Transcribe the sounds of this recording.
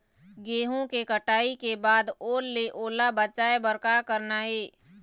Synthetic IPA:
ɡeːɦõkekəʈaːikebaːd̪oːlːeʔoːlabət͡ʃaːebəɾkakəɾnaɦeː

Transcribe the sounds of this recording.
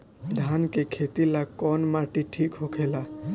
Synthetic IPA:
d̪ʱankekʰet̪ilakɔːnmaʈiʈʰiːkɦokʰeːla

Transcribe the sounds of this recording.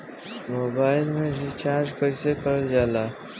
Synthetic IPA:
moːbaːɪlmẽɾit͡ʃaːɾd͡ʒkəisekəɾəd͡ʒaːlaː

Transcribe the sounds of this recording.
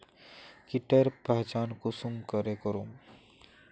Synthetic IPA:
kiʈeɾpɛɦt͡ʃaːnkusumkəɾekəɾum

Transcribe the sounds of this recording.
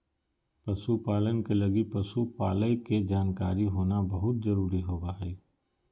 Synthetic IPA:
pɐsupaːlənkelɐɡipɐsupaːləiked͡ʒaːnkaːɾiɦoːnabɐɦʊt̪̚zɐɾuːɾiɦoːbaːɦeː

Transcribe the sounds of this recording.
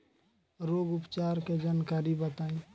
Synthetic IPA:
ɾoːɡʊpt͡ʃaɾked͡ʒaːnkaɾibət̪aːĩ

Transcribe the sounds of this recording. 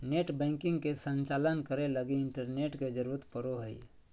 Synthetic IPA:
neːʈbɛ̃ːŋkɪ̃ŋɡkesə̃nt͡ʃaːlənkəɾeləɡiɪɳʈəɾneːʈked͡ʒəɾuːɾət̪pəɾoɦəḭ

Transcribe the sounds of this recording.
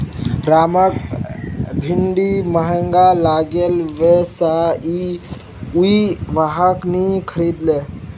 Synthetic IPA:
ɾamək | bʱiɳɖiməɦəŋɡalaɡelʋesai | uiʋaɦəknikʰəɾid̪le

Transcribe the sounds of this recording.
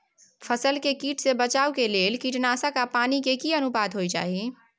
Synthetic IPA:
pʰəsəlkekiːʈsebət͡ʃaːukeleːlkiʈnasakapanikekiənubad̪ɦojt͡ʃa̰ːɦi

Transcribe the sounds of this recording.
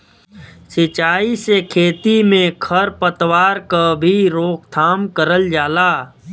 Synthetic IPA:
sɪt͡ʃaːisekʰeːt̪imẽkʰəɾpət̪waːɾkabʱiɾoːk̚ʰt̪ʰaːmkəɾəld͡ʒaːlaː

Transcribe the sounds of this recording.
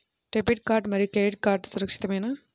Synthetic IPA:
ʈepiʈ̚kaːɾʈmɐɾikeʈ̚kaːɾʈsʊɾɐkʂɪ̥t̪ːɐmeːnaː

